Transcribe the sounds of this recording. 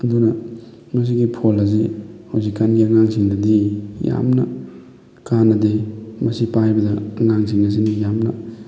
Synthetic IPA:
ɐdunɐmɐs̬iɡipʰolɐzihawzikːanɡiɐŋaŋsiŋdɐdija̰mnɐ̰ | kanːɐdemɐsipajbɐdɐɐŋaŋs̬iŋɐs̬inijamnɐ̰

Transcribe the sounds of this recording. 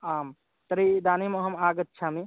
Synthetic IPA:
am | t̪əɾid̪animəɦəmaɡət̪ːt͡ʃʰami

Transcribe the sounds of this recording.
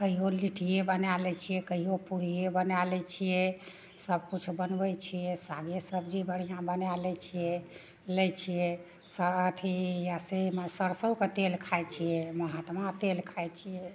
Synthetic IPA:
kəɦiɦoliʈʰijebənalɛt͡ʃʰijɛkəɦiopuɾijebənalɛt͡ʃʰijɛ | səbkut͡ʃʰbənbɛt͡ʃʰijɛsaɡesəbd͡ʒibəɽ̤ijãbənalɛt͡ʃʰijɛ | lɛt͡ʃʰije | sat̪ʰijaseməsəɾsəwket̪elkʰajt͡ʃʰijɛməɦat̪mat̪elkʰajt͡ʃʰije

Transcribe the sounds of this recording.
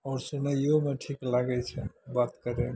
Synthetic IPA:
ɔːɾsunəjomeʈʰiklaɡɛt͡ʃʰɛbat̪kəɾem

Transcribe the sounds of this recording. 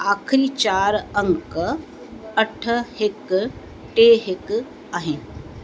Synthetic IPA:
aːkʰɾit͡ʃaːɾəŋɡk | əʈʰɦɪk | ʈeːɦɪk | aːɦɪn

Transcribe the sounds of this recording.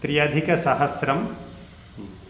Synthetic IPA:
t̪ɾijɐd̪ʱikɐsɐɦɐsɾɐm

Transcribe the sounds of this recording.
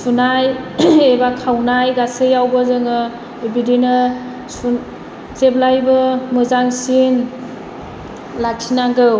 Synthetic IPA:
sunajebakʰawnajɡasɯjawbɯzɯŋɯ | bidinɯ | sun | zeblajbɯmɯzaŋsin | lak̚tʰinaŋɡɯw

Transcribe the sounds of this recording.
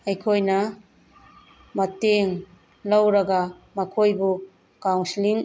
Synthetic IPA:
ɐjkʰojnɐ | mɐteŋ | lɐwɾɐɡɐ | mɐkʰojbu | kawnsiliŋ

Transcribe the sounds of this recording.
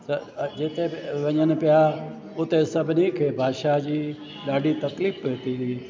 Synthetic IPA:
d͡ʒɪt̪ʰeːʋəɲənpɪjaː | ʊt̪eːsəbniːkʰeːbʱaːʃaːd͡ʒiː | ɗaːɖiːt̪əkliːpʋeːt̪iːd̪iː

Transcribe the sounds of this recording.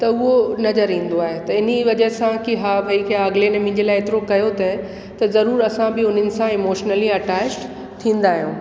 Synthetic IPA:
t̪ɐʊɦonɐzəɾĩːn̆d̪oaːɦet̪ɐɪniʋɐd͡ʑəɦsãkiɦaːbʱɐikʰeːaːɡlenɐ̃mɪ̃ːɲ̆d͡ʑelaːɪeːt̪ɪɾokɐjot̪ɐɦ | t̪ɐzɐɾuːɾɐsãbɪʊn̤ɪnɪ̆sãɪmoːʃnəliɐʈaːt͡ɕʈ | t̪ʰĩːnd̪aːɦijũː

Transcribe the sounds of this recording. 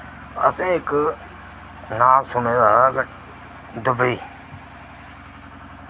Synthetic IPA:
ə̰sẽːɦɪk | nãːsʊn̤ẽːd̪aːɡ | d̪əbʱiː

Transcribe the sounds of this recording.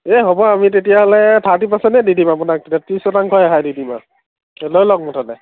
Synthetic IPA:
eɦobɔamitetijaɦɔlɛtʰatipasɛnɛdidimapunak̚tetiatɹisɔtaŋkʰɔjaɦajdidima̰ | ɛlojlɔk̚mɔtʰanɛ

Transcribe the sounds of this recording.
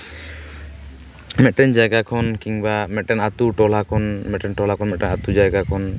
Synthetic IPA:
mɛt̪̚ʈɛnd͡ʒajɡakʰɔnkiŋbamɛt̪̚ʈɛnat̪uʈɔlakʰɔnmɛt̪̚ʈɛnʈɔlakʰɔnmɛʔ̚ʈɛnat̪ud͡ʒajɡakʰɔn

